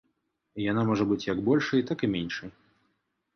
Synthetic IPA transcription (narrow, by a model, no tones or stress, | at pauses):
ijanamɔʐɐbɨt͡sʲjaɡbɔlʲʂɐjt̪akɨmʲenʲʂɐj